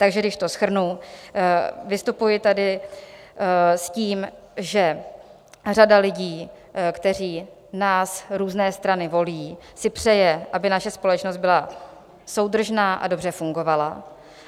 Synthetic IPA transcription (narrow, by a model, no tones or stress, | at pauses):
t̪aɡʒɛɡdɪʃt̪o̞sxr̩nu | vɪst̪upujɪt̪adɪ | sciːm | ʒɛ | radalɪɟiː | kt̪ɛr̝iː | naːsɾuːznɛːst̪ɾanɪvo̞liːsɪpr̝̥ɛjɛʔabɪnaʃɛspo̞lɛt͡ʃnost̪bɪla | so̞wd̪r̩ʒnaːʔa̰do̞br̝ɛfuŋɡo̞vala̰